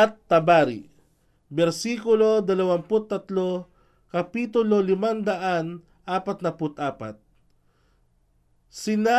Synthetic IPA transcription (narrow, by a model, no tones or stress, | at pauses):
at̪ːɐbaːɾḭ | bɛɾsiːkʊlo̞d̪ɐlɐwanpʊt̪ːɐt̪lo | kɐpiːt̪ʊlolɪmand̪ɐʔan | ʔaːpɐt̪̚nɐpʊt̪ʔaːpa̰t̪̚ | sɪna